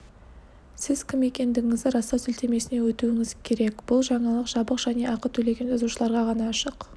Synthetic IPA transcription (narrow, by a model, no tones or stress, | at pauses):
sɪz̥kʲʰɪme̞kʲe̞nd̪ɪɡʲɪŋɪzd̪ɪɾɑst̪ɑsʏlt̪e̞me̞sɪne̞wɵt̪uwɪŋɪzkʲʰe̞ɾe̞kb̥ʊlˠʒɑɴɑlˠəqʒ̥ɑbəqʒ̥æne̞ʔɑqət̪ʰɵle̞ɡʲe̞nɑzuʃəlˠɑɾʁɑʁɑnɑːʃəq